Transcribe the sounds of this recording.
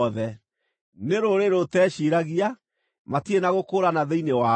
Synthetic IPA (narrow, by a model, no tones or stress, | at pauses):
ðɛ | neɾoɾeɾotɛːɕiɾaɣia | matienaɣokoːɾanaðeinewa